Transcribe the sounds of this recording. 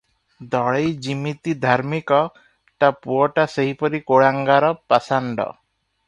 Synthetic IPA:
d̪ɔɭejd͡ʒimit̪id̪ʱaɾmikɔ | ʈapuɔʈaseɦipɔɾikoɭaŋɡaɾɔpasaɳɖɔ̰

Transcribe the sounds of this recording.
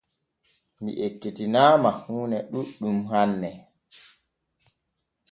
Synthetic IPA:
mḭʔetːetinaːmahuːnɛɗuɗumɦanːɛ

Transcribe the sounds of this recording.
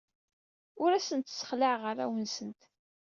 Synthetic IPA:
ʊɾæsənt̪sə̥χləʕʁəɾæ̰wənsənt̪

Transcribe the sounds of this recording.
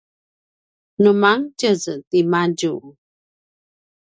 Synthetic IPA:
numaŋt͡ʃəztimad͡ʒu

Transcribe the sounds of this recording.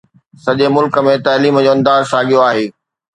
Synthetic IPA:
sɐʄemʊlkə̆mẽt̪ɐːliːməd͡ʑoːɐ̃nd̪aːzsaːɠijoaːɦeː

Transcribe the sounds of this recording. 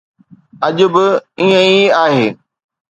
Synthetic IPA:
ɐʄʊ̆bɪiːə̃iaːɦeː

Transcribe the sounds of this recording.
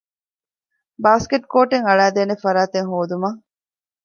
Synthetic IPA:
baːskeʈ̚koːʈeŋɐɭæːd̪eːnefɐɾaːt̪eŋɦoːd̪umɐŋ

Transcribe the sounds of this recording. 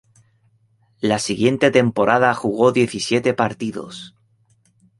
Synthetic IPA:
lasiɣje̞nt̪e̞t̪e̞mpo̞ɾʔaðaxuɣ̞o̞ðje̞θisje̞t̪e̞paɾt̪iðo̞̰s

